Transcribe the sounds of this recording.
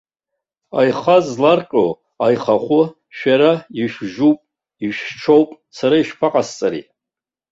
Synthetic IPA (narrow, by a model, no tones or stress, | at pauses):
a̰jχazlarqʼo | ajχaχʷʊ | ʃᶣaɾaiʃᶣʒupʼ | iʃᶣʈ͡ʂʰowpʼ | saɾaiʃpʰaqʼast͡sʼaɾḭ